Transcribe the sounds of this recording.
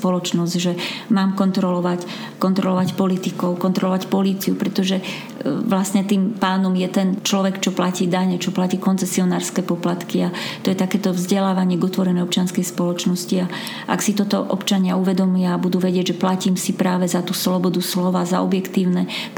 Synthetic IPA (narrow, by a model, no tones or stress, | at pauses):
pɔlɔt͡ʃnɔzɟʒɛmaːmkɔnt̪ɾɔlɔʋac | kɔnt̪ɾɔlɔʋacpɔlit̪ikɔʊkɔnt̪ɾɔlɔʋacpɔliːt͡siupɾɛt̪ɔʒɛ | ʋlasɲɛt̪iːmpaːnɔmjɛt̪ɛnt͡ʃlɔʋɛkt͡ʃɔplaciːd̪aɲɛt͡ʃɔplaciːkɔnt͡sɛsiɔnaːɾskɛːpɔplat̪kiat̪ɔjɛt̪akɛːt̪ɔvzɟɛlaːʋaɲɪɛɡɔt̪ʋɔɾɛnɛjɔp̚t͡ʃɪanskɛjspɔlɔt͡ʃnɔscia | ʔa̰ksit̪ɔt̪ɔʔɔ̰pt͡ʃaɲɪauʋɛd̪ɔmujaːbud̪uːʋɛɟɪɛɟʒɛplaciːmsipɾaːʋɛzat̪uːslɔbɔd̪uslɔʋaːzaɔbjɛkt̪iːʊnɛ